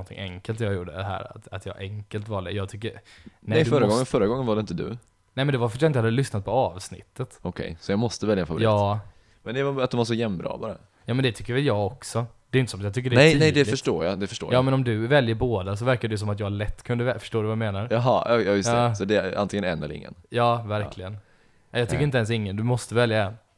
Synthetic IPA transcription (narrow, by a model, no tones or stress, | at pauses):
nt̪ʰɪ̰ŋʔɛŋkəlt̪jɑːɡjuːɖːə̰ɛɦæ̰ːɾa̰t̪at̪jɑ̰ːʔɛŋkəlt̪vaɖɛ̰jɑːɡt̪ʰʏkːənɛɛd̪fœɾːaɡɔŋːənfœɾːaɡɔŋːənvaɖɛɪnt̪əd̪ʉ̰ | nɛmɛnd̪ɛvafœt̪̬jɪt̪əhad̪əlʏsnat̪̚pʰɔɑːvsnɪ̰t̪ːət̪ɔkʰɛ̰jsɔjɑːmɔst̪əvɛljaɛnfavʊɾjiɑːt̪ː | mɛnd̪ɛvaat̪̚d̪ɔmvaʂ̬ɔjɛmbɾɑ̰ːbɑːɾa | jɑːmɛnd̪ɛt̪ʰʏkːəɾvɛljɑːɡɔksɔd̪̥ɛjʏnt̪əsɔmjɑt̪ʏkːəɖɛnɛɛjd̪ɛœʂʈo̰ːɾjɑd̪ɛfœ̥ʂʈoːjaːmɛnɔmd̪ɵvɛljəɾboːd̪as̬ɔvæɾkadɛs̬ɔmat̪jɑːaɭɛt̪ːkʰɵnd̪əvɛfə̥ʂʈoːɾʉvameːnaɾjɑɦɑjɑjɪsɑːsɔd̪ɛa̰nt̪ɪŋːənɛ̰nɛləɾɪ̰ŋːə̰njɑːvæɾkʰlɪɡən | ɛjɑt̪ʰʏkːɾɪnt̪ɛnsɪŋːənd̪ɵmɔst̪əvɛljaɛn